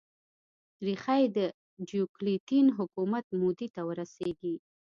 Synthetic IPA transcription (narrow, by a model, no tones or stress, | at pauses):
ɾixajd̪ə | d͡ʒjuklit̪inɦʊkumat̪̚mod̪it̪awəɾaseɡi